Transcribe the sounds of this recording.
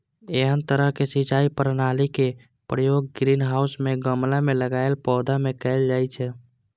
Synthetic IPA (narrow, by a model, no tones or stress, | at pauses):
eɦənt̪əɾəɦkesit͡ʃaipəɾnalike | pɾəjoɡ̚ɡɾinɦausmeɡəmlameləɡaelpɔːd̪amekɛɪld͡ʒajt͡ʃʰɛ